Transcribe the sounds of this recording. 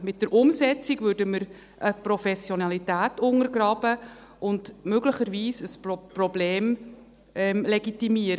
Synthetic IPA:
mɪt̚d̥əɾʔʊmsɛt͡siɡʋʏɾdəməɾ | ʔəpɾɔfɛsjɔnɑlitæːtʊŋəɾɡɾɑːb̥ə | ʔʊndmøɡləχəɾʋiːsəsprɔbleːm | ɛmlɛɡitimiəɾə

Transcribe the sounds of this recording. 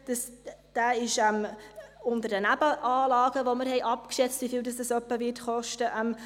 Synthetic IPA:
d̥əsd̥aːɪʃɛmʊntəɾdənæbəʔaːlɑːɡ̥əʋoməɾhɛɪʔɑpkʃɛt͡stɪfɪldɑsd̥əsœpːəviːtχɔʃtəʔɛm

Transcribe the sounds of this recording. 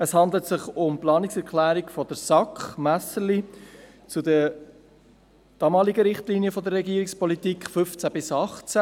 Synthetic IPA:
əshɑnd̪lət̪sɪχʊmplɑːnɪksɛɾkʰlæːɾɪkfɔd̥̪əɾsɑkχmæsəli | t͡sudə | d̥ɑːmɑːliɡəɾɪχtliːniəfɔd̪ərːɛɡiːəɾikspɔlit̪iːkχfʏft͡sæb̥ɪsɑχt͡sæ

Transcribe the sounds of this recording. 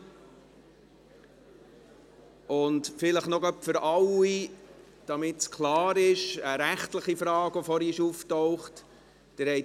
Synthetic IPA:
ʊntfɪləχnɔɡœpfʏɾɑwi | d̥ɑmɪtskʰlɑːɾɪʃəɾæχtləχifɾɑːɡɔfɔɾiʃuftɔʊχt | d̥əɾhɛɪ

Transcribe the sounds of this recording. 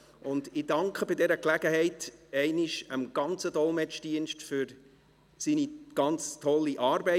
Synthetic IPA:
ʔʊndɪdɑŋkχəbɪdɛɾəklæɡəhɛɪtɛɪnɪʃəmɡ̥ɑnt͡sədɔlmɛt͡ʃd̥iənʃtfyɾ | siːniɡ̥ɑnt͡stʰɔlːiʔɑːɾbɛɪ

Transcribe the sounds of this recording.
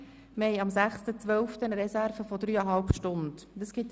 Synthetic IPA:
mɛjɑmsæχstət͡sʋœlftənɾɛsærfəfɔdɾyːəɦɑlpʃtʊndd̪əsɡ̥ɪt̪

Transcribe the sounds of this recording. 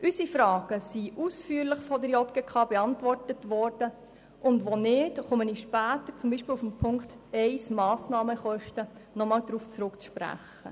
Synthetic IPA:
ʔysifɾɑːɡ̥əsiʔusfyːəɾlɪχfɔdəɾjɔtɡ̥ɛkχɑːbɛɑntʋɔrtətʋɔrd̥ə | ʊndʋonɪdχʊməniʃpæːtət͡sʊmbiːʃpiːlufmpʰʊŋkt̪ɛɪsmɑːsnɑːməχɔʃtənɔmɑːld̥̪ɾuːft͡sɾʊkt͡sʃpɾæ̰χ | ə̰

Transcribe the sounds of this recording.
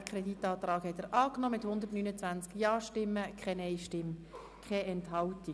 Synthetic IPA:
kʰɾɛdit̪ːɑːt̪rɑːkhɛt̪əɾʔɑːknɔmɪthʊnd̪əɾtnyːnət͡sʋænt͡skjɑːʃtɪmːəkʰɛnɛɪʃtɪm | kʰχɛɛnthɑlti

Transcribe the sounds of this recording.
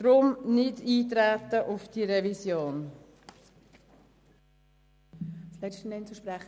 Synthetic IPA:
d̥ɾʊmnɪdiːtɾæt̪əʔʊfd̥iɾɛvisjoːn | slɛstənɛnt͡suʃpɾæχ

